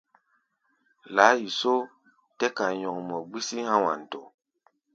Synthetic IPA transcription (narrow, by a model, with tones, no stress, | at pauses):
la˨˦ji˨so˦ | tɛ˦ka˨jɔ˨ŋmɔ˨ɡ͡bi˦si˦hã˦wa̰˨n˨to˨